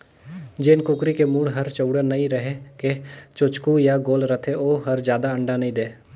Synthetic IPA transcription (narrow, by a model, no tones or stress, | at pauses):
d͡ʒeːnkʊkɾikemuːɽɦɐɾt͡ʃəʊɽənɐĩɾəɦeket͡ʃʊt͡ʃkujaɡoːlɾət̪ʰeoːɦɐɾd͡ʒjaːd̪aə̃ɳɖanɐĩd̪eː